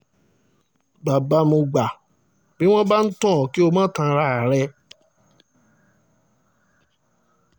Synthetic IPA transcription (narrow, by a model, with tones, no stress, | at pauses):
ba˨ba˨˦mõ˧ɡ͡ba˨ | bi˦w̃ɔ̃˦ba˦n̩˦tɔ̃˦˨ki˦o˧mãː˦tã˧ɾa˦a˨ɾɛ˧